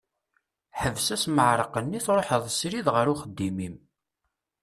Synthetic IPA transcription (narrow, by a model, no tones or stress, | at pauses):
ħəvsæsməʕɾˤəqənːiθɾˤoħəðˤsɾiðʁəɾuχəd̪ːimim